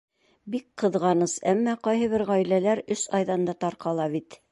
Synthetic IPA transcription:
bik̚qɤ̆ðʁɑnɤsæmːæqɑjɦɤ̆βɘɾʁɒjlælæɾɵsɑjðɑnd̪ɑt̪ɑɾqɑlˠɑβit̪

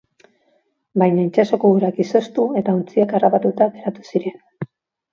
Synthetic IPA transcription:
bajɲaint͡ʃaso̞kouɾakiso̞st̪ue̞t̪aunt͡siakarapat̪ut̪aɡe̞ɾat̪u̥siɾe̞n

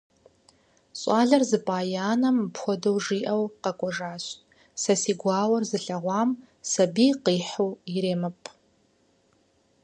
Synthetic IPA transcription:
ɕʼɑːɮɐrzɨpʼaːjaːnɐmpxʷɔdɐwʐiːʔɐwqɐkʷʼɔʐaːɕtʼ | sɐsiːɡʷɑːwɐrzɨɬɐʁʷɑːm | sɐbiːqiːħowɪɾeːmɨpʼ

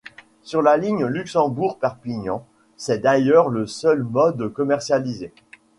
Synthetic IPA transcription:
syʁlaliɲlyksɑ̃buʁpɛʁpiɲɑ̃ | sɛd̪ajœʁləsœlmɔd̪əkɔmɛʁsjalize

